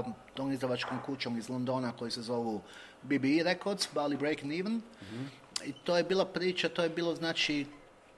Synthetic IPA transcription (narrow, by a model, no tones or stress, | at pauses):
t̪oːmizɾaʋat͡ʃkoːmkut͡ʃoːmizlˠond̪o̞ːnako̞jise̞zo̞ʋu | bibiiɾekoɾd̪sbalibɾejkniʋn | it̪oːje̞biːlˠapɾiːt͡ʃat̪oːjebiːlˠoznaːt͡ʃi